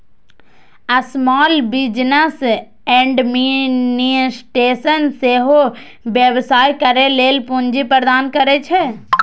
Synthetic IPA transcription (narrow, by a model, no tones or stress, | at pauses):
ɐsmɔːlbɪd͡ʒnəs | ɛ̃ːɳɖminisʈeːsənseɦo | bjəʋsaːjkəɾeleːlpuɲd͡ʒipɾəd̪aːnkəɾet͡ʃʰe